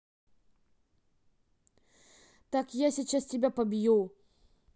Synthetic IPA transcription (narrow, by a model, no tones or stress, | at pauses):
t̪akjasʲit͡ɕastʲɪbʲapɐbʲju